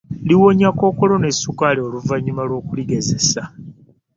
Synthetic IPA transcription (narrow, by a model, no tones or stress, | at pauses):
liwo̞ɲako̞ːko̞lo̞ne̞sukaleoluvaɲːumalwo̞ːkuliɡe̞zesa